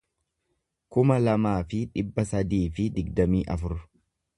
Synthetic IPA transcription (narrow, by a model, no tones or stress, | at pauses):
kʊmɐlɐmaːfɪᶑɪbːɐsɐd̪iːfɪd̪ɪɡ̚d̪ɐmiːʔɐfʊɾʊ̥